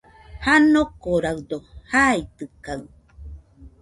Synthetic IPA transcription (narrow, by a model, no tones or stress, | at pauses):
hanokoɾawd̪ohait̪ɯkaɯ